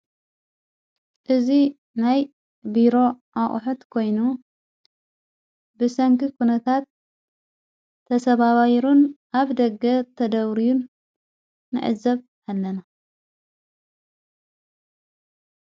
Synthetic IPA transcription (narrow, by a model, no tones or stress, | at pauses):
ʔɨzi | naj | biɾo̞ʔaχʼħut̪kʰo̞jnu | bɨsɐŋkʰɨkʰunɐt̪ʰat̪ | ɐsɐβaβajiɾunʔaβd̪ɐɡɐt̪ʰɐd̪ɐβɾijunː | ɨ̰ʕɨ̰zɐβ | alːɐna